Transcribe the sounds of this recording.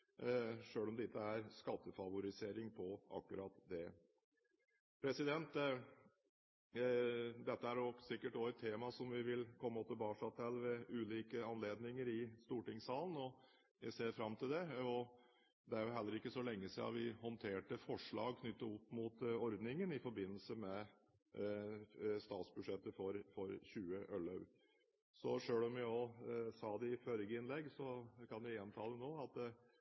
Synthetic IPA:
ʂøːlɔmd̪ɛt̪ʰːəæɾskɑt̪ːəfɑʋʊɾɪseːɾɪŋpʰɔʔɑ̰kːʉɾɑːt̪d̪ɛ | pʰɾɛsɪd̪ɛnt̪ | d̪ɛt̪ːəæɾjʊsɪkːəʈoːət̪ʰːeːmɑsɔmʋɪʋɪlkʰɔmːəɔt̪əbɑːʂɑt̪ʰɛlːʋɛʉːliːkəɑnleːd̪nɪŋəɾɪst̪uːʈɪŋsɑːlən̩ɔ | jæseːɾfɾɑmt̪ʰɪld̪ɛɔ | d̪ɛæɾjʊɦɛlːəɾɪkːəsɔlɛŋːəsiɑ̰ʋɪhɔnt̪ʰeːʈəfɔʂɭɑ̰ːɡ̚kʰnʏt̪ːəɾʊpːmut̪ɔɾd̪nɪŋənɪfɔɾbɪnːəlsəmɛ | st̪ɑːt̪sbʉd̪ʂɛt̪ːəfɔɾfɔɾçʉːəʔœlɑʉ | sɔʂøːlɔmjæoːsɑːd̪ɛɪfœɾɡəɪnlɛɡːsɔkʰɑnʋɪɛnt̪ʰɑːd̪ɛnoːɑt̪

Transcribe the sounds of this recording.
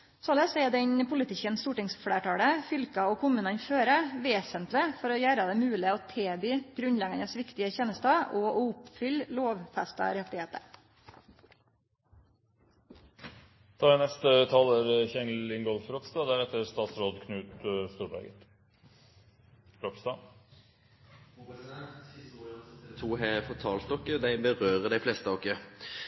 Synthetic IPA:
soɭeːsɛd̪ɛɲpʰʊlɪt̪ɪkːənst̪uːʈɪŋsfɽeːʈɑːɽəfʏlkɑɔkʰʊmʉːnɑnføːɾəʋeːsənt̪lɪfɔɾɔjæːɾɑd̪ɛmʉːlɪɔt̪ʰeːbyːɡ̥ɾʉnlɛɡɑnəsʋɪkt̪ɪəçeːnəst̪ɑɔɔʊpfʏlloːʋfæst̪ɑ̰ɾɛt̪ːɪheːt̪ə̰ɾ | t̪ʰɑːɾnɛst̪ət̪ʰɑːləɾçɛŋlɪŋɡɔlfɾopst̪ɑːd̪æːɾɛt̪əɾst̪ɑːt̪sɾoːd̪kʰnʉːt̪st̪uːɾbæ̰ɡə̰t̪ | ɾɔpst̪ɑː | t̪ʰuːɦɛfɔt̪ʰɑːlt̪̚ːɔkːəd̪æɪbəʁøːʁəd̪æɪflɛst̪əɔkːə

